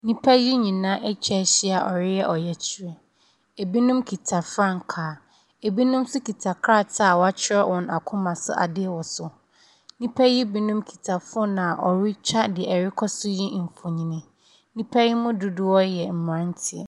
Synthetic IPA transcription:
nĩ˦pʰæ˦ji˦ɲĩ˨nã˦ʔɛ˦t͡ɕʰɛ˦ɕɪ˦a˨ʔɔ˨ɾɪ˦jɛ˦ʔɔ˨jɛ˨t͡ɕʰi˨ɾɛ˦ | e˨bi˦nʊ̃˦mkʰi˨tʰa˨fɾã˦˨ŋ̩˨kʰaː˨ | e˨bi˦nʊ̃˦msʊ˦kʰi˨tʰa˨kʰɾa˦˨tʰa˦˨wɔ˨a˦t͡ɕʰɪ˦ɾɛ˦wɔ̃˨na˨kʰʊ̃˦mã˨sʊ̰˦ʔa̰˨dɪ˦ɛ˦˨wɔ˨sʊ˨ | nĩ˦pʰɛ˦ji˦bi˦nʊ̃˦mkʰi̥˨tʰa˨fʊ˦ɔ˦nã˨ʔɔ˨ɾi˦t͡ɕʰᶣa˦dɪ˨ɛ˨ɛ˨ɾɪ˦kʰɔ˦sʊ˦ji˦m̩˨fʊ˨ɲĩ˦nĩ˦ | nĩ˦pʰa˦ji˦mʊ̃˦dʊ˦dʊ˦ɔ˦jɛ˨m̩˨m˨ɾã˦n˦tʰɪ̰˨ɛ˨

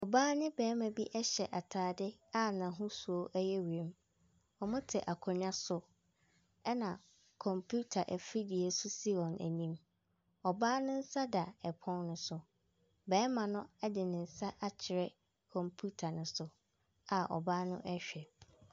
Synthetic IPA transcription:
ɔ˨baː˦nɪ̃˦bɛː˨˦mã˨bi˦ʔɛ˦ɕɛ˨ʔa˨tʰaː˨dɪ˦a˦nã˨ɦʊ̃˦su˨o˦ʔɛ˦jɛ˦wɾẽ˦m | ɔ˨mʊ̃˦tʰɪ˨ʔa˨kʰɔ˨ɲᶣã˦sʊ˨ | ɛ˦nã˨ | kʰɔ̃˨mpʰu˦tʰa˨ʔɛ˨fɾi˦di˨ɛ˨sʊ˦si˦ɔ̃˨nʔæ̰˨nĩ˦m | ɔ˨baː˦nʊ̃˦n̩˦sa˦da˨ɛ˨pʰɔ̃˦nnʊ̃˦sʊ˨ | bɛː˨˦mã˨nʊ̃˦ɛ˦dɪ˨nɪ̃˨n̩˨sa˦ʔa˦t͡ɕʰɪ˨ɾɛ˦ | kʰɔ̃˨mpʰu˦tʰa˨nʊ̃˨sʊ˨ | a˨ɔ̰˨baː˦nʊ̃˦ʔɛ˦ɕᶣɛ˨

